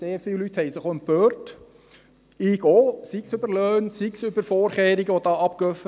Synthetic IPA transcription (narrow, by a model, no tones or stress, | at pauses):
seːfsɪllyt̪hɛɪsəχoənpøːrt | ɪɡoːsiksøbəɾløːnsiksʏbəɾfɔːɾχeːɾɪɡəɔdɑːʔɑp̚køfə